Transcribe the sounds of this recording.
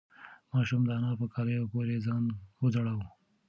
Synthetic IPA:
mɑːʃumd̪əːnɑpəkaɾejopoːɾezɑːnwəzaɽawu

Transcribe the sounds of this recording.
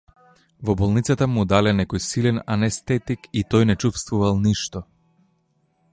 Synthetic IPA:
vɔbɔlˠnit̪sat̪amud̪alɛnɛkɔjsilɛnanɛst̪ɛt̪ikit̪ɔjnɛt͡ʃufst̪vuvalˠniʃt̪ɔ

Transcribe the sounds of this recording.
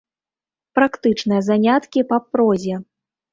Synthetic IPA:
pɾakt̪ɨt͡ʂnɨjɐzanʲat̪kʲipapɾɔzʲɛ

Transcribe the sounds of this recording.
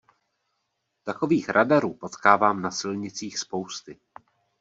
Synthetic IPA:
t̪ako̞viːxɾʔadaɾuːpo̞t̪kaːvaːmnasɪlɲɪt͡siːxspo̞wst̪ɪ

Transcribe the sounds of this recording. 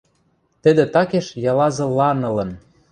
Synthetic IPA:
t̪ə̆d̪ĕt̪ɑkeʃjɑlɑzɤ̆lɑnɤ̆lɤ̆n

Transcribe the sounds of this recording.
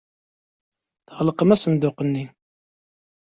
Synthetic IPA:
θəʁləqəmæsənd̪ʊqənːi

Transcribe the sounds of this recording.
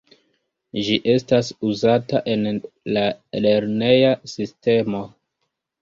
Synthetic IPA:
d͡ʒiʔe̞stasuzataʔe̞nlale̞ɾne̞jasiste̞mo̞

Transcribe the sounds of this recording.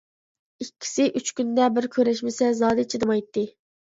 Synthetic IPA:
ikʲːi̥sɪʔyt͡ʃkʲynd̪ɛbɪɾkʲʰøɾɛʃmɪsɛzɑːd̪ɨt͡ʃʰed̪ɨmɑjt̪ːɨ

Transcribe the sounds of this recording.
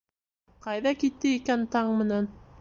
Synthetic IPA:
qɑjðɑkit̪ːɘikænt̪ɑɴmɘ̆næn

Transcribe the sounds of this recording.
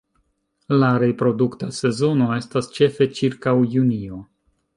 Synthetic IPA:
laɾe̞pɾo̞duktase̞zo̞no̞e̞stast͡ʃe̞fe̞t͡ʃiɾkawjunio̞

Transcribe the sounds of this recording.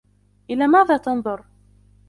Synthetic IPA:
ʔɪlaːmaːðaːt̪ɑnðˤʊɾ

